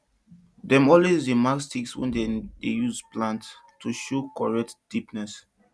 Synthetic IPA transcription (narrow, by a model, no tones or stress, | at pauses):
dɛ̃mɔlwezdemakstikswɛ̰̃ndɛdejuzplãntʰː | uʃokɔɹɛk̚td̥ipnɛs